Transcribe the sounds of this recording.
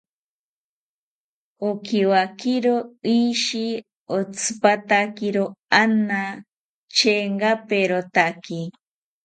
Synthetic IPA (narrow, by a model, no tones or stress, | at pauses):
okiwakiɾoiʃi | ot͡sʰɨ̥pat̪akiɾoana | t͡ʃeŋɡapeɾot̪aki